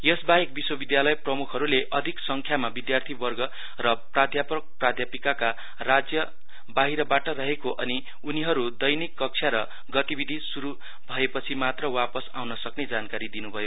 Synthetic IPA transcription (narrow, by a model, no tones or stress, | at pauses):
jʌsbaek̚biswʌbid̪jalʌjprʌmukʰʌɾuleʔʌd̪ʱiksʌŋkʰjamabid̪jart̪ʰibʌrɡʌ | rʌprad̪ʱjapʌk̚prad̪ʱjapikaka | rad͡zjʌ | baɦiɾʌbaʈʌrʌɦekoʔʌni | uniɦʌɾud̪ʌjnikːʌk̚t͡sʰjaɾʌ | ɡʌt̪ibid̪ʱisuɾu | bʱʌepʌt͡sʰimat̪rʌwapʌsa̰wnʌsʌkned͡zankaɾid̪inubʱʌjo